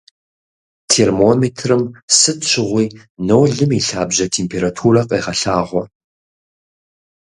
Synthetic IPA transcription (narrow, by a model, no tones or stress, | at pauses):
tʰeːrmoːmeːtʰrɨmsɨtɕʰʷɪʁʷiː | nowɮɨmiːɬaːbʑɐtʰeːmpʰeːɾatʰuːrɐqʼeːʁɐɬaːʁʷɔ